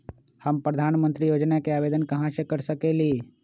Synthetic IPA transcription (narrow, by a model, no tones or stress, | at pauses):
həmpɾəd̪ʱaːnmə̃nt̪ɾijoːd͡ʒnakeaːʋeːd̪ənkɐɦãsekəɾsəkeːliː